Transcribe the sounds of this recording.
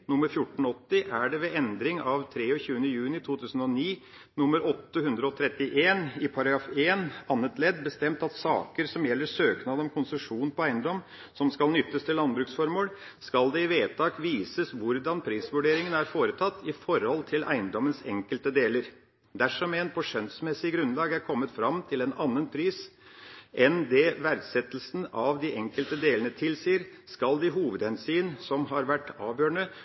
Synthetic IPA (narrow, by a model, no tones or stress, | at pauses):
nʊmːəɾfjʊʈːɳ̩ɔt̪ːɪʔæɖɛʋɛɛnd̪ɾɪŋɑʋt̪ʰɾeːɔçʉːənəjʉːnɪt̪ʰuːt̪ʰʉːsn̩ɔniː | nʊmːəɾɔt̪ːəhʉnd̪ɾəɔt̪ʰɾɛt̪ːɪʔeːnɪpʰɑɾɑɡɾɑːfeːnɑnːət̪lɛd̪bəst̪ɛmt̪ɑt̪sɑ̰ːkəɾsɔmjɛlːəʂøːknɑːd̪ɔmkʰʊnsəʂuːn̩pʰɔæɪənd̪ɔm | sɔmskɑlnʏt̪ːəst̪ʰɪlːɑnbɾʉːksfɔɾmoːl | skɑld̪ɛɪʋeːt̪ʰɑːkʋiːsəsʋʊɾd̪ɑnpʰɾiːsʋʉɖeːɾɪŋənæɾfoːɾət̪ʰɑt̪ːɪfɔɾhɔlt̪ʰɪlʔæ̰ɪənd̪ɔmːənsɛŋkəlt̪əd̪eːləɾ | d̪æʂɔmɛːnpʰɔʂɛnt̪smɛsːɪɡɾʉnlɑːɡæɾkʰɔmːət̪fɾɑmt̪ʰɪlɛnɑnːənpʰɾiːs | ʔɛnd̪ɛʋæɾɡsɛt̪əlsn̩ɑʋd̪ɪʔɛŋkəlt̪əd̪eːlənət̪ʰɪlsiːɾskɑld̪ɪɦuːʋəd̪ɛnsyːənsɔmɦɑɾʋæʈːɑːʋjøːɳə